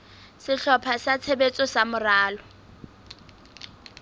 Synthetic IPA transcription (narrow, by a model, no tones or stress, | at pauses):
sɪɬɔpʰasat͡sʰebet͡sʼɔsamʊraːlɔ